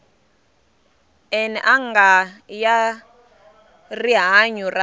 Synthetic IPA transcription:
ɛnɛʔaŋɡaja | riɦaɲura

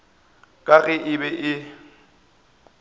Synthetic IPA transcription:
kʼaɣɛʔɪbɛʔɪ

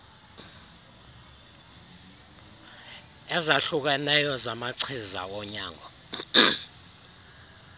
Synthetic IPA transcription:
ɛzaɬuk̬ɛnɛjɔzamaǀʰiza̰wɔɲaːŋɔ

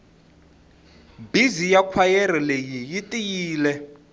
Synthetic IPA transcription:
bizijakʰwajɛɾilejijitʼijiːlɛ

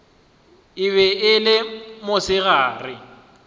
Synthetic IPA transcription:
ɪβɛʔɪlɪmʊsɪɣaːrɪ

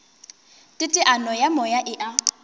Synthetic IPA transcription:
tʼɪtʼɪʔanɔjamɔjaʔɪʔa

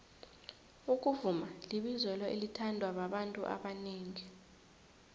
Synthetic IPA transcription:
uk̬ʼuvumaliɓizwɛlɔʔelitʰandʱwaɓaɓantʼṵʔa̰ɓaneːŋi

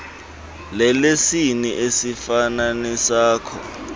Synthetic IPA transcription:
lɛlesiniʔesifananisaːkʰɔ̰

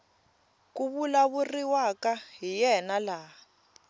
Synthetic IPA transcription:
kuβulaβuriwakaɦijɛnala

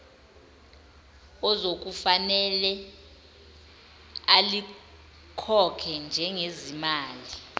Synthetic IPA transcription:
ɔzok̬ufanɛlɛ | ali | kʰɔkʰɛnd͡ʒʱɛŋezimaːli

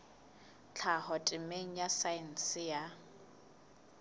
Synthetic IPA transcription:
t͡ɬʰahɔtʼɪmeŋ̩jasaɪn̩sɪja

